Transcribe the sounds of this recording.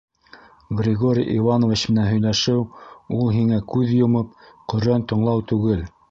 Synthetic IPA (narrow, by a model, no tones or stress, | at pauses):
ɡrʲɪɡoɾʲijʔivɑnovʲit͡ɕmɘ̆nænɦɵ̆jlæʃɘwulˠɦiŋækʉðjŏmɤp̚qɵ̆ɾænt̪ɤ̆ɴlˠɑwt̪ʉɡɘl